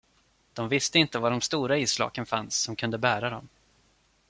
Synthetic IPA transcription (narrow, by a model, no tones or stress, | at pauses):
d̪̥ɔmvɪst̪əɪnt̪əvaɖɔmst̪uːɾaiːslɑ̰ːkənfansːɔmkʰɵnd̪əbæːɾad̪ɔm